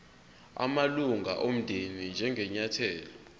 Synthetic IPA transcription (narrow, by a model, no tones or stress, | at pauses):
a̰maluŋɡaʔom̩d̥ʱinind͡ʒʱɛŋʱɛɲatʰɛːlɔ